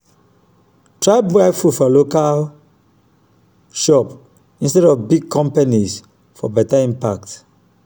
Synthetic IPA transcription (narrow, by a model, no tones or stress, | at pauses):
tɹaɪbafudfɔlokal | ʃɔp | ĩnstɛdɔvbiɡ̚kʰɔ̃mpaniz | fɔ̰bɛtaĩmpak̚t